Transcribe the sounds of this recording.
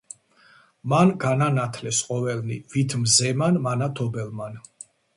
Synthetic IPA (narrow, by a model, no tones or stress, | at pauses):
manɡananat̪ʰlɛsqʼɔvɛlnḭvit̪ʰmzɛmanmanat̪ʰɔbɛlˠman